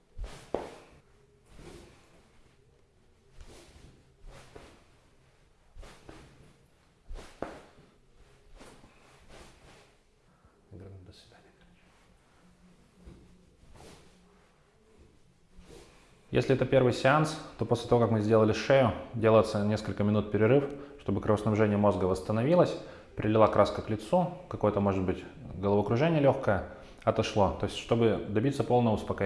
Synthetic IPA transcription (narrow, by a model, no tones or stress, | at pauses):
ɪɡɾomʲd̪əsʲvʲɪd̪anʲ | jḛsʲlʲɪɛt̪əpʲe̞rvɨjsʲɪanst̪o̞posʲlʲɪt̪ɐvo̞kakmɨzʲdʲelˠəlʲɪʂɛjʊdʲe̞lˠəɪt̪sənʲe̞skəlʲkəmʲɪnut̪̚pʲɪɾʲɪɾɨfʂt̪o̞bɨkɾəvəsnɐbʐɛnʲɪjəmo̞zɡəvəst̪ənɐvʲilˠəsʲ | pɾʲɪlʲɪlˠakɾʔaskəklʲɪt̪sukɐko̞jət̪əmo̞ʐɨd̪̚bɨtʲɡəlˠvəɐkɾʊʐɛnʲɪjəlʲoxkəjə | ɐt̪ɐʂlˠo̞t̪o̞jɪsʲtʲʂt̪o̞bɨd̪ɐbʲit̪səpolˠnəvəʊspɐk